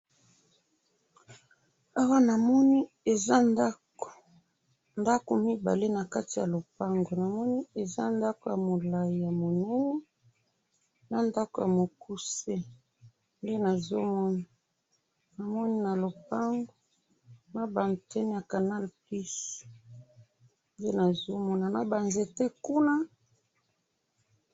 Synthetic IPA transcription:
a˦wa˦na˨mɔ˦ni˦ | e˨za˦na˦ | o˨ | nda˦ko˨mi˦ba̰˨le˦na˨ka˦ti˨ja̰˨lo˨pa˦ŋɡo˨na˨mɔ˦ni˦e˨za̰˦nda˦ko˨ja˨mo˨la˨ji˨ja˨mo˨nɛ˦nɛ˦ | na˨nda˦ko˨ja˨mo˨ku˦se˦ | nde˦na˨zo˦mɔ˦na˨ | na˨mɔ˦ni˦na˨lo˨pa˦ŋɡo˦ | na˦ba˨n˨tɛ˦n˦ja˨ka˨na˦lpli˦s | nde˦na˨zo˦mɔ˦na˨na˦ba˨nze˨te˦ku˦na˦

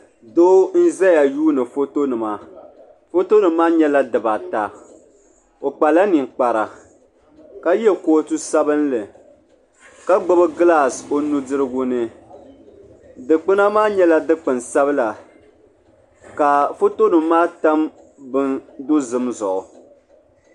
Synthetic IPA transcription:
doː˦n̩˦zɛ˦ja˨juː˦nɨ˨fo˦to˦nɨ˨ma˦ | fo˦to˦nɨ˨mː˦aː˦ɲɛ˦la˦dɨ˨ba˨ta˨ | o˨k͡pa˨la˦ni˨ŋ˨k͡pa˨ɾa˨ | ka˦jɛ˦koː˨˦tu˦sa˦bɨ˦n˦lɨ˨ | ka˦ɡ͡bo˦bɨ˦ɡɨ˦la˦˨so˦nu˦dɨ˦ɾɨ˦ɡʊ˦nɨ˦ | dɨ˨k͡pɨ˦na˦maː˦ɲɛ˦la˦dɨ˦k͡pɨ˨nsa˦βɨ˦la˨ | ka˨fo˦to˦nɨ˨mː˦aː˦ta˦m | bɨ˦ndo˦zɨ˦mzʊ̰˨ʔʊ˨

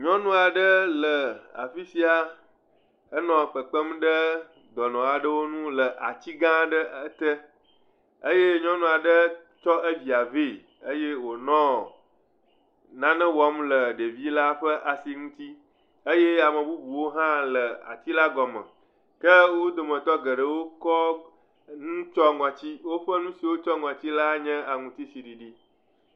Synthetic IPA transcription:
ɲɔ̃˦nũ˦a˨ɖə˦lə˨a̰˨fi˦si˦a˨ | ə˦nɔ̃˨k͡pə˨k͡pə˦m˦ɖə˦ | d̪ɔ˨nɔ̃˨a˨ɖə˦wo˦nũ˦lə˨ʔa̰˨t͡ɕi˦ɡã˦ɖə˦ə˦t̪ə˦ | ə˦je˦ɲɔ̃˦nũ˦a˨ɖə˦t͡ʃɔ˦ʔə˦vi˨a˨ve˦˨ | ə˦je˦wo˨nɔ̃˦ | nã˦nɛ̃˦wɔ˨˦mlə˨ɖe˨vi˦la˦ɸə˦ʔa˨si˨ŋũ˦t̪i˦ | e˦jɛ˦a˨mə̃˨bu˦bu˨wo˦ɦã˦lə˨a̰˨t̪i˦la˦ɡɔ˨mə̰̃˨ | kə˦wo˦d̪o˨mə̃˨t̪ɔ˦ɡə˨ɖə˨wo˦kɔ˦ | ŋũ˦t͡ʃɔ˦ŋɔ̃˨t͡ɕi˦wo˦ɸə˦nũ˦si˨wo˦t͡ʃɔ˦ŋɔ̃˨t͡ɕi˦la˦ɲɛ̃˦a˨ŋũ˨t̪i˦si˨ɖi˨ɖi˦

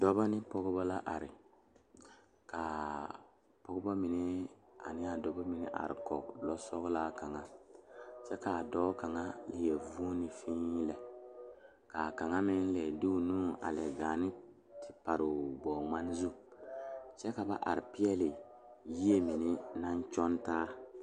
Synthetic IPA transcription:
dɔ˦bɔ˦nɪ˦pɔ˦ɡbɔ˦la˦ʔa˨ɾɪ˨ | ka˨ | pɔ˦ɡʊ˦bɔ˦mɪ˨nɪ˦a̰˨nɪ˦a˨dɔ˨bɔ˦mi˨nɪ̰˦ʔa̰˨ɾɪ̰˨kɔ̰˨klɔ˦sɔ˦ɡla˦ka˨ŋa˦ | sɛ˦ka˨dɔː˦ka˨ŋa˦lɪ˨je˨vu˦nɪ˨fĩ˦lɛ˨ | ka˨ka˨ŋa˦mɪ˦n˦lɛ˨duː˦˨nuː˦a̰˨lɛ˨ɡaː˨nɪ˦ | tʰɪ˨pa˨ɾo˨bɔː˨ma˦n˦zu˦ | t͡ʃɛ˦ka˨ba̰˦ʔa̰˨ɾɪ˨pɪ˦ɛ˦lɪ˨ | ji˦e˦mi˨nɪ˦na˦ɲ˦t͡ʃɔ˦ntaː˦

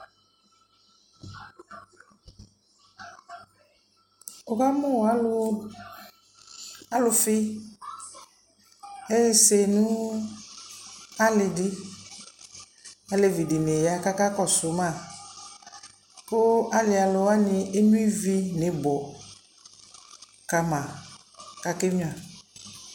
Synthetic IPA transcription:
ʊ˨ka˦mʊ˦˨a˦lʊ˦ | a˦lʊ˨fɪ˦ | e˦se˨nʊ̃˦ | a˦lɪ˨dɪ˦ | a˦le˨vi˨dɪ˨ne˨ja˦ka˦ka˦kɔ˦˨sʊ˨˦mã˦˨ | pʊ˦a˦lɪ˨˦a˨lʊ˦a˦nɪ˨e˦nũ˦i˦vi˦nɪ˨bɔ˨ | ka˨mã˨ | ka˨kɪ˦ɲ˦˨a˨

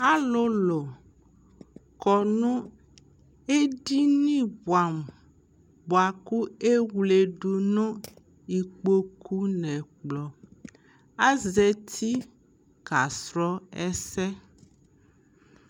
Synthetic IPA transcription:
a˦lo˦lo˨ | kɔ˨nũ˦ | e˦ɖi˦nĩ˦βwa˨m | bo˨a˨ku˦e˦wle˨ɖu˨nõ˦ | i˨k͡po˦ku˦nɛ̃˨k͡plɔ˨ | a˦ze˨t̪ʰi˦ | ɡ̥a˨sɾɔ˦ɛ˦sɛ˦

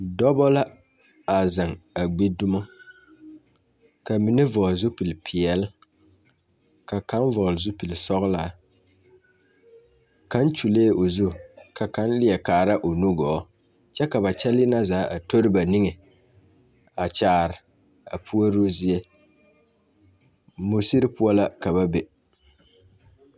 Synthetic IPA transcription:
dɔ˦bɔ˦la˦ | a˨zɪ˨ŋa˨ɡ͡be˦dʊ˦ma˦ | ka˨mi˨nɪ˦vɔ˨zʊ˦pi˨lpʰi˨ɛ˨l | ka˨ka˦n˦vɔ˨lzʊ˦pi˨lsɔ˦ɣlaː˦˨ | ka˦nt͡ʃu˨leː˦ʔo˨zu˦˨ka˨ka˦n˦lɪ˦ɛ˨kaː˨ɾa˦ʔo˨nu˦ɡɔː˨˦ | t͡ʃɛ˦ka˨ba˨t͡ʃɛ˦lɪ˦na˦zaː˨˦ʔa˨to˦ɾɨ˦ba˨ni˦ŋe˨ | a˨t͡ʃaː˨ɾɪ˨ | a̰˨pʰu˦a˦ɾo˦zɪ˦ɛ˦ | mo˨si˦ɾɪ˦pʊ˦a˦la˦ka˨βa˦bɛ˨

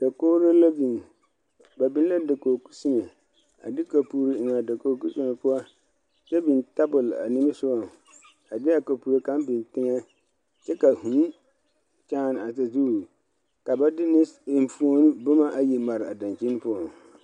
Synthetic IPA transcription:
d̥a˨koː˦ɾa˦la˦bi˨n˨ | ba˨bɪ˦n˦la˦da˨koː˨ku̥˦si˦ne˨ | a̰˨dɪ˦ka˨pu˦ɾi˦ɪ˨ŋa˨da˨ko˨ku˦si˦ne˨pʊ˦a˦ | t͡ʃɛ˦bi˨nta˦bʊ˨la̰˨ni˦mɪ˦sʊ˦a˨ | a˨dɪ˦a˨ka˨pu˨ɾe˨ka˦m˦bɪ˨ntɪ˦ŋɛ˦ | t͡ʃɛ˦ka˨hu˨˦ | t͡ʃaː˦˨n˨a˨ta˨zu˦˨ | ka˨ba˦dɪ˦nɪ˦ɪ˨m˨fu˦o˦nʊ˦bʊ˦ma˦ʔa˨ji˨ma˨ɾɪ˨a˨da˨nt͡ʃi˦n˦pʊ˦ɔ˨ŋ˨

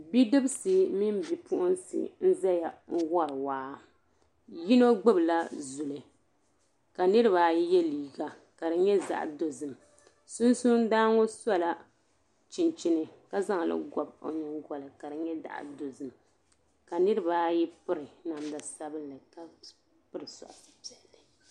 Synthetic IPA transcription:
bi˦dɨ˦bsɨ˨mi˦m˦bi˨pʊ˦ʔʊ˦nsḭ˨n̩˦za˦ja˨ŋ̩˦wɔ˦ɾɨ˨waː˨˦ | ji˦no˦ɡ͡bɨ˦bla˦zu˨lɨ˨ | ka˨nɨ˦ɾɨ˦βa˨ji˦jɛ˦liː˨ɡa˨ | ka˨ɾɨ˨ɲɛ˦za̰˨ʔdo˨zɨ˨m | sʊ˦nsu˦n˦daː˦ŋo˦sa˦la˦ | t͡ʃi˨nt͡ʃi˦nɨ˨ka˦za˦ŋ˨lɨ̰˦ɡɔ˨bo̰˨ɲɨ˦ŋɡɔ˨lɨ˨ka˨ɾɨ˨ɲɛ˦da̰˦˨ʔdo˨zɨ˨m | ka˨nɨ˦ɾɨ˦ba˨˦ji˦pɨ˦ɾɨ˨na˨mda˨sa˦bɨ˦nlɨ˨ka˦ | pɨ˦ɾɨ˨sɔ̰˨ʔa˨sɨ̥˨pi˨ɛ˨lːɨ˨

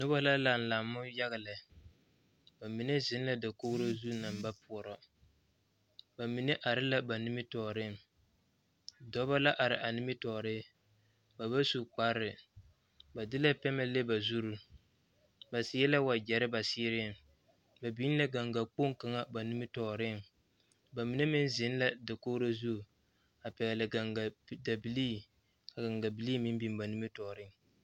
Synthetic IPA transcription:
nʊ˦ba˦la˦la˨n̩˨la˨mːʊ˦ja˦ɣɪ˨lɪ˨ | ba˨mi˨ne˦zɪ˦n˦la˦da˨ko˦ɡɾo˦zu˦na˨mba˦pʰʊ˨ɔ˨ɾɔ˦ | ba˨mi˨ne˦ʔa˨ɾɪ˦la˦ba˨ni˦mɪ˦tɔː˨ɾɪ˦˨m | dɔ˦ba˦la˦ʔa˨ɾɪ˨ʔa˨ni˦mɪ˦tɔː˨ɾɪ˦ | ba˨ba˦su˨k͡pa˦ɾɪ˨ | ba˨dɪ˦la˦pɛ˦mɛ˦le˦ba˨zu˦ɾu˦ | ba˨sɪ˦ɛ˦la˦wa˨d͡ʒɛ˨ɾɪ˦ba˨sɪː˦ɾɪ˦˨ŋ | ba˨bi˦n˦la˦ɡa˨ŋɡa˨k͡po˦ŋ˦ka˨ŋa˦ba˨ni˦mɪ˦tɔː˨ɾɪ˦˨ŋ | ba˨mi˨˦ne˦mɪ˦nzɪ˨˦n˦la˦da˨koː˦ɾa˦zu˦˨ | a˨pɛ˨ɡɛ˨lɪ˨ɡa˨ŋɡa˨da˨bi˨liː˦ | a˨ɡa˨ŋɡa˨bi˨li˦mɪ˦m˦bi˨m˦ba˨ni˦mɪ˦tɔː˨ɾɪ˦ŋ

